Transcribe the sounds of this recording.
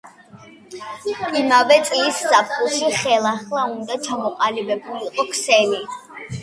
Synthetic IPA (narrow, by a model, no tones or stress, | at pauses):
imavɛt̪sʼiːsːap̚ʰχʼuʃiχɛlˠaχlˠaund̪at͡ʃʰamɔqʼalibɛbuliqʼɔkʰsɛli